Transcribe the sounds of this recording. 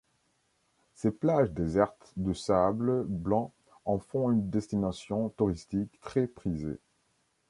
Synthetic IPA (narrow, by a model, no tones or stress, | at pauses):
seplaʒd̪ezɛʁt̪d̪əsablblɑ̃ | ɑ̃fɔ̃ynd̪ɛst̪inasjɔ̃t̪uʁist̪ikt̪χɛpχizḛ